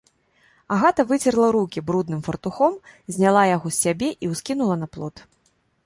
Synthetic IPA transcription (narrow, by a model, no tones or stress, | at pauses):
aɣat̪ɐvɨt͡sʲɛrlˠɐɾukʲibɾud̪̚nɨmfɐrt̪uxɔmzʲnʲalˠajaɣɔsʲːabʲɛʔiwskʲinulˠɐnɐplˠɔ̰t̪